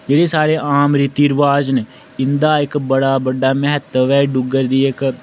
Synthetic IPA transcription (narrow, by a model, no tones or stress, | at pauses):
d͡ʒeːɽeːsaːɾeːʔaːmɾɪt̪iːɾʋaːd͡ʒneː | ɪnd̪aːɪkbəɽaːbəɖaːmɛɦət̪əʋɛːɖʊɡəɾd̪iːɪk